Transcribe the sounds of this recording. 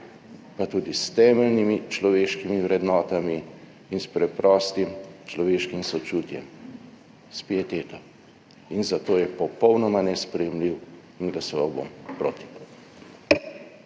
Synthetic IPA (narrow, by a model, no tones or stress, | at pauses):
pat̪uːd̪ist̪ɛːmɛlnimit͡ʃlɔʋeːʃkimiʋɾɛd̪nɔːt̪amiː | nspɾɛpɾɔːst̪imt͡ʃlɔʋeːʃkimsɔt͡ʃuːt̪jɛ̰m | spiɛt̪eːt̪ɔ | inzat̪oːjɛpɔpɔwnɔmanɛspɾɛjɛmliw | inɡlasɔʋawbo̰mpɾoːt̪i̥